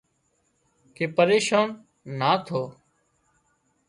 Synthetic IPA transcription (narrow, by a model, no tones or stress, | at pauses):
keːpəɾeːʃaːnː | aːt̪ʰoː